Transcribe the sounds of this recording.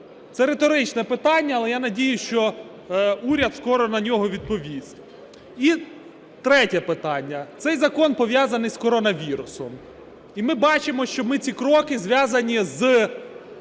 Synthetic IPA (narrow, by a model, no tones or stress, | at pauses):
t̪sɛɾet̪ɔɾɪt͡ʃnɛpɪt̪ɑnʲːɐːlˠɛjanɐdʲijʊʃt͡ʃɔ | uɾʲɐd̪skɔɾɔnɐnʲɔɦɔʋʲid̪̚pɔʋʲisʲtʲ | i | t̪ɾɛtʲɛpɪt̪ɑnʲːɐt̪sɛjzɐkɔnpɔʋʲjazɐnɪjskɔɾɔnɐʋʲiɾʊsɔm | imɪbɑt͡ʃɪmɔʃt͡ʃɔmɪt͡sʲikɾɔkɪzʋʲjazɐnʲiz